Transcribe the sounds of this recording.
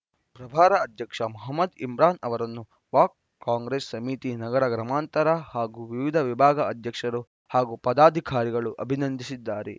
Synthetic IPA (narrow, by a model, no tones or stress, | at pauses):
pɾɐbʱaːɾɐːd̪ʱjɐkʂɐmuɦɐmːɐd̪imɾaːnɐʋɐɾɐnːu | ʋaːk̚ | kaːŋɡɾeːsːɐmit̪inɐɡɐɾɐɡɾɐmaːnt̪ɐɾɐhaːɡuʋiʋid̪ʱɐʋibʱaːɡɐɐd̪ʱjɐkʂɐɾu | haːɡupɐd̪aːd̪ʱikaːɾiɡɐɭuʔɐbʱinɐnd̪ʱisid̪ːaːɾḛ